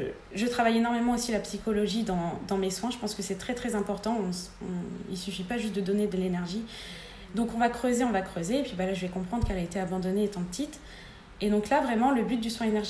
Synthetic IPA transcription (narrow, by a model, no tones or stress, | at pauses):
ʒət̪χavajenɔʁmemɑ̃osilapsikɔlɔʒid̪ɑ̃d̪ɑ̃meswɛ̃ʒəpɑ̃skəsɛt̪χɛt̪χɛzɛ̃pɔʁt̪ɑ̃ɔ̃ɔ̃ilsyfipaʒyst̪d̪əd̪ɔned̪əlenɛʁʒi | d̪ɔ̃kɔ̃vakχøzeɔ̃vakχøzeːpɥivalaʒəvɛkɔ̃pχɑ̃d̪ʁəkɛlaet̪eabɑ̃d̪ɔneːt̪ɑ̃pə̥t̪it̪ | ed̪ɔ̃klavʁɛmɑ̃ləbyt̪̚d̪yswɛ̃enɛʁʒ